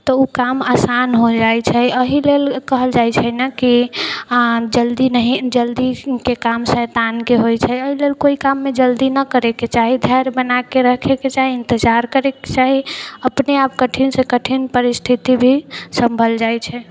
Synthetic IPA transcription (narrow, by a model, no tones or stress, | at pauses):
t̪ɔukamasanɦod͡ʒajt͡ʃʰɛəɦilelkəɦəld͡ʒajt͡ʃʰɛnəki | d͡ʒəld̪inəɦid͡ʒəld̪ikekamsɛt̪ankeɦojt͡ʃʰɛəɦilelkoikamːed͡ʒəld̪inəkəɾeket͡ʃaɦid̪ʱajɾbənakeɾəɦkʰeket͡ʃaɦiɪ̃nt̪əd͡ʒaɾkəɾeket͡ʃaɦiəpneabkəʈʰinsekəʈʰinpəɾist̪ʰit̪ibʱisəmbʱəld͡ʒajt͡ʃʰɛ